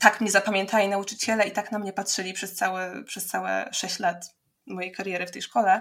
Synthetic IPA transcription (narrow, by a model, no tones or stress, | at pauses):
t̪akmɲɛzapamʲɛ̃nt̪ʰalʲinaut͡ʂɘt͡ɕɛlɛit̪aknamɲɛpatʂɘlʲipʂɛst̪sawɛpʂɛst̪sawɛ̰ʂɛɕt͡ɕlat̪ | mɔjejkaɾjɛɾɘft̪ɛjʂkɔlɛ